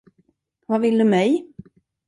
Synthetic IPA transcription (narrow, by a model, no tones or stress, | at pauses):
vavɪld̪ɵmɛj